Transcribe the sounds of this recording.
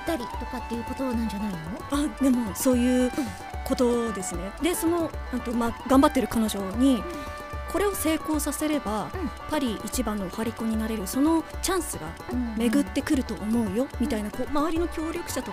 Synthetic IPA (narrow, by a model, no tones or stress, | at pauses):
t̪ːaɾʲit̪o̞kat̪ːe̞jɯ̟ko̞t̪o̞nãɲ̟d͡ʑanainoad̪e̞mo̞so̞ːjɯ̟ː | ko̞t̪o̞d̪e̞sɨne̞d̪e̞so̞no̞ãnt̪o̞maɡãmbat̪ːe̞ɾɯ̟kano̞ʑo̞ɲ̟i | ko̞ɾe̞o̞se̞ːko̞ːsase̞ɾe̞bapːaɾʲiʔit͡ɕibãnːo̞haɾʲiko̞ɲ̟inaɾe̞ɾɯ̟so̞no̞t͡ɕãɰ̃sɨɡa̰ | me̞ɡɯ̟t̪ːe̞kɯ̟ɾɯ̟t̪o̞ʔːmo̞ɯ̟jo̞mʲit̪ainakomaβaɾʲino̞kʲo̞ːɾʲjo̞kɯ̟ɕat̪o